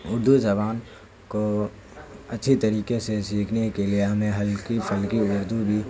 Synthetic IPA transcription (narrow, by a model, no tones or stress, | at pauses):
ʊɾd̪ud͡ʒɐbaːn | ko | ɐtːʃʰit̪ɐɾiːkesesiːkʰnekelieɦɐmẽɦɐlkipʰɐlkiʊɾd̪ubʱi